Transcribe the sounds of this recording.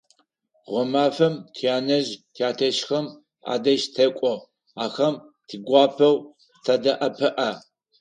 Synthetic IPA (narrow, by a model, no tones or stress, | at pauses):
ʁʷɔmaːfɐmtʰiaːnɐʑtʰiaːtʰɐʃxɐm | a̰ːdɐʒtʰɐkʷʼɔ | aːxɐm | tʰiɡʷɑːpʰɐw | tʰɐdɐʔɐpʰɨʔɐ